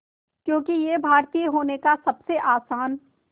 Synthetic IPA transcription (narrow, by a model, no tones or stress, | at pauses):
kjõːkijebʱaːɾt̪ijəɦoːnekasɐbseʔaːsaːn